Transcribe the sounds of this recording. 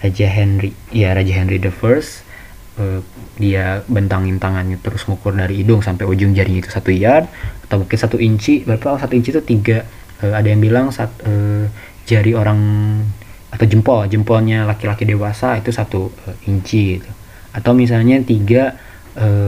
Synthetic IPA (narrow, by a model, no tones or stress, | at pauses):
rad͡ʒaɦɛnri | ijaɾad͡ʒaɦɛnɾidəfərs | ə | diabənt̪aŋɪnt̪aŋanɲat̪əɾʊsŋukʊrdaɾiːdʊŋsampajod͡ʒʊŋd͡ʒaɾiɲait̪u̥sat̪uijarat̪awbkɪnsat̪uʔiɲt͡ʃibəpaaasat̪uiɲt͡ʃit̪ut̪iɡa | əadajaŋbilaŋsat̪ə | d͡ʒaɾioɾaŋ | at̪awd͡ʒəmpɔld͡ʒəmpɔlɲalakilakidewasait̪usat̪uəiɲt͡ʃiɡit̪u | at̪awmis̬alɲat̪iɡa | ə